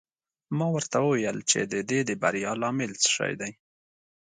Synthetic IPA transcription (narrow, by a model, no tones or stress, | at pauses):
mɑwəɾt̪awəwjəlt͡ʃḛd̪əd̪ed̪əba̰ɾjɑlɑmɪlt͡sə̥ʃɑ̰jd̪aj